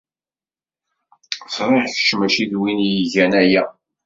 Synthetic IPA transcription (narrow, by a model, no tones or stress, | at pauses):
θɾˤɪħçə̥ʃmæʃiðwinjiʝænæjæ